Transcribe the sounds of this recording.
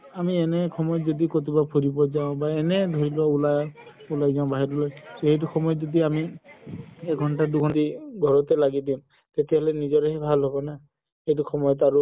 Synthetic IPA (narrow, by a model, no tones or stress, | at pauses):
amienekʰɔmɔjɔd͡ʒɔd̪ikot̪̬ibapʰuɾibɔd͡ʒaʊ̃baened̪ʱoɹilaulaj | ulajd͡ʒaʊ̃baɦiɾɔlɔjseɦit̬uxɔmɔjɔd͡ʒɔd̪iami | ɛkɡʱɔɳʈaduɡʱɔndiɡʱɔɹɔt̪elaɡid̪im | t̪et̪eɦɔlenid͡ʒɔɾeɦibʱalɦɔbɔna | hejtuxʰɔmɔjɔt̪̬aɾu